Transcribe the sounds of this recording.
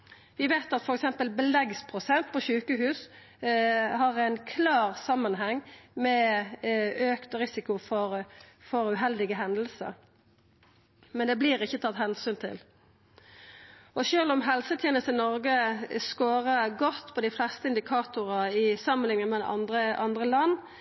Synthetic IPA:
ʋɪʋeːt̪ɑt̪fɔɾɛksɛmpəlbəlɛɡspʰʁʊsɛnt̪̚pʰɔʃʉːkəɦʉːs | hɑʁæɪnkʰlɑːʁsɑmːənɦɛŋːmɛ | øːkt̪ɔʁɪsɪkʊfɔɾfɔɾʉɦɛld̪ɪɡəɦɛnd̪əl̩sə̰ɾ | mɛnd̪ɛbliːʁɪçːət̪ʰɑt̪hɛnsyːnt̪ʰɪ̰l | ʔɔʃøːlɔmɦɛlsət̪ʰjɛːnəst̪ənɔɾɡəskoːʁəɡɔt̪ːpʰɔd̪ɪflɛst̪əɪnd̪ɪkʰɑːt̪ʊʁəɪsɑmːənlɪŋənmɛd̪̰ʔɑ̰nd̪ʁəʔɑnd̪ʁəlɑnː

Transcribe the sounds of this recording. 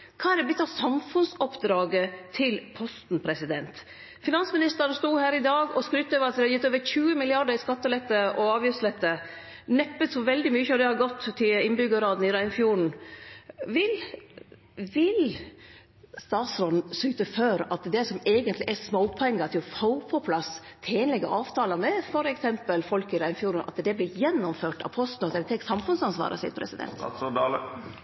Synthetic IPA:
kʰɑːɛɾd̪ɛblʏt̪ːɑʋsɑmfʉnsɔpd̪ɾɑːɡət̪ʰɪlpʰɔst̪n̩pʰɾɛsɪd̪ɛnt̪ | fɪnɑnsmɪnɪst̪əɾnst̪uːhæːɾɪd̪ɑːɡɔskɾʉːt̪ːøːʋəɾɑt̪d̪ɛhɑɾjɪt̪ːøːʋəɾçʉːəmɪlɪɑɖəɾɪskɑt̪ːəlɛt̪ːəʔɔɑːʋjyfslɛt̪ːə | nɛpːət̪sɔʋɛld̪ɪmyːəçəd̪ɛhɑɾɡɔt̪ːt̪ʰːɪɪnbʏɡəɾɑːd̪n̩ɪɾæɪnfjuːɳ̩ | ʋɪl | ʋɪl | st̪ɑːt̪sɾɔnn̩syːt̪əføːɾɑt̪d̪ɛsɔmeːɡənt̪lɪʔɛsmoʊpʰʊɛŋɡɑt̪ʰɪlhoʊpʰɔpʰlɑs | t̪ʰeːnlɛɡəʔɑːʋt̪ʰɑːlɑnəfɔɾɛksɛmpəlfɔlkɪɾæɪnfjuːɾɳ̩ɑ̰t̪d̪ɛblɪjɛnːɔmføːʈɑ̰pʰɔst̪nʉt̪ɑɾɪt̪ʰɛːksɑmfʉnsɑnsʋɑ̰ːɾʔə̰sɪ̰pʰɾɛ̰sɪd̪ɛ̰nt̪

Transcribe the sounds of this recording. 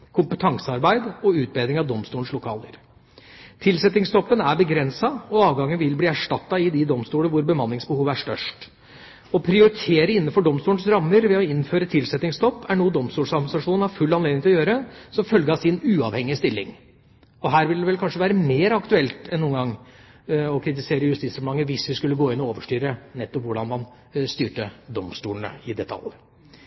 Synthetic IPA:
kʰʊmpət̪ʰɑŋsəɑɾbæɪd̪ɔʉːt̪̚beːd̪ɾɪŋɑʋd̪ɔmst̪uːəɳ̩slʊkʰɑ̰ːlə̰ɾ | t̪ʰɪlsɛt̪ɪŋst̪ɔpːənæɾbəɡɾɛnsɑɔɑːʋɡɑŋːənʋɪlbliːæʂʈɑt̪ːɑɪd̪ɪd̪ɔmst̪uːləʋʊɾbəmɑnːɪŋsbəhuːʋæʂʈœ̰ʂʈ | ɔpʰɾɪʊɾɪt̪ʰeːɾəɪnːən̩fɔɖɔmst̪uːlɳ̩sɾɑmːəɾʋɛɔɪnːføːɾət̪ʰɪlsɛt̪nɪŋst̪ɔpːʰæɳuːəd̪ɔmst̪uːlʂɑɡmsɑʂuːnnhɑɾfʉlːɑnleːd̪ɪŋt̪ʰɪlɔjøːɾəsɔmfœlɡəɑsɪnʉːɑʋhɛŋːɪəst̪ɪlːɪ̰ŋ | ɔɦæːɾʋɪld̪ɛʋɛlkʰɑnʂəʋæːɾəmeːɾɑkt̪ʉɛlt̪ɛnːuːənɡɑŋː | ɔkʰɾɪt̪ɪseːɾəjʉst̪iːt̪sɾɛmlɑŋːəʋɪsʋɪskʉlːəɡoːɪnːɔoːʋəʂʈyːɾənɛt̪ːɔpʋʊɖɑnmɑn | st̪yːʈəd̪ɔmst̪uːlɳ̩ə̰ɪd̪ɛt̪ʰɑ̰lːə

